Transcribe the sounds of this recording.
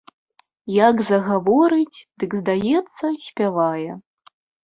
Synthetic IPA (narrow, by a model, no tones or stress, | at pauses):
jaɡzɐɣavɔɾɨt͡sʲd̪ɨɡzd̪ajɛt̪sːɐsʲpʲavajɛ